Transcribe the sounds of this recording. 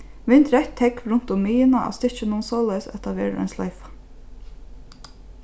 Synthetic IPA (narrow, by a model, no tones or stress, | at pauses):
ʋɪnt̪ɾɛht̪ʰhɛkvɾʊn̥t̪ʊmːiːjɪnaʔa̰st̪ɪɹ̥t͡ʃɪnuːnsɔːlajsɛ̰t̪ʰaʋɛ̰ːɾə̰a̰jnsla̰jfḁ